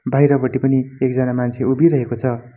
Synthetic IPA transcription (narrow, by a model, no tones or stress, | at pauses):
bʱajɾʌbʌʈipʌniekd͡zʌnamant͡sʰeubiɾʌɦekot͡sʰʌ